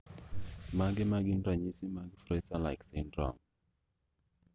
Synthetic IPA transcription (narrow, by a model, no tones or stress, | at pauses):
maɡɛmaɡindaɲisimaɡifɾɛsala̰ɪksɛndɾa̰ŋ